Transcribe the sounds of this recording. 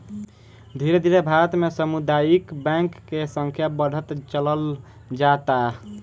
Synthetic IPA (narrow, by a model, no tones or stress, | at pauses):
d̪ʱiɾed̪ʱiɾebʱaɾət̪mesəmud̪ajikbɛ̃ŋkːesə̃ŋkʰjabəɽ̤ət̪t͡ʃələl | d͡ʒat̪a